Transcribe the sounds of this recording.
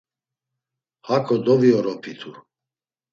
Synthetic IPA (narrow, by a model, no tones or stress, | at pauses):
hakʰʼɔd̪ɔviɔɾɔpʰit̪ʰu